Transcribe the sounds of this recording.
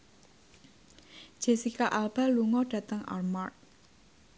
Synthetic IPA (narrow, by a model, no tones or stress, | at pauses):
ʒ̥e̤sikaʔalb̥a̤luŋɔɖ̥ä̤t̪əŋʔa̰rmart̪̚